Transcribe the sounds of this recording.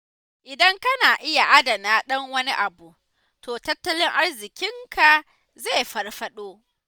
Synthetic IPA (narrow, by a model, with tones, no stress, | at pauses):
ʔɪ˨dɐ˦ŋkɐ˦naː˨ʔɪ˦ja˨ʔa˦dɐ˨naː˦ɗɐ˦ŋwɐ˦ni˦ʔa˨bu˨ʔ | tʰoː˨tɐ˦tːɐ˦lɪ˦ŋʔa˦rzɪ˨kʲɪ˦ŋkʰa˨ | ze˦˨jɸɐ˨rɸɐ˦ɗoː˦